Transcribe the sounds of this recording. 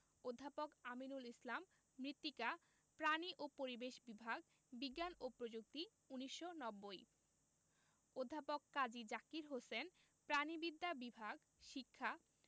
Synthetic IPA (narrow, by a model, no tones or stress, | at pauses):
od̪ʱːapokaminulislamː | ɾit̪ːika | pɾaniʔopoɾibeʃbibʱaɡ | biɡːanopɾod͡ʑuk̚t̪i | uniʃːonɔbːoj | od̪ʱːapokːad͡ʑid͡ʑakiɾɦosen | pɾanibid̪ːabibʱaɡ | ʃikʰːa